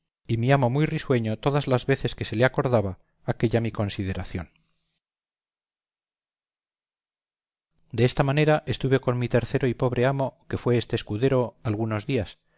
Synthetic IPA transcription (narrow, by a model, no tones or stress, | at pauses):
imiamo̞mujriswe̞ɲo̞t̪o̞ðazlazβe̞θe̞ske̞se̞leako̞ɾðaβaː | ke̞ʎamiko̞nsið̞e̞ɾaθjo̞n | d̪eest̪amane̞ɾaʔe̞st̪uβe̞ko̞nmit̪e̞ɾθe̞ɾoipo̞β̞ɾeamo̞ke̞fwe̞est̪e̞ːskuðe̞ɾo̞alɣuno̞zðias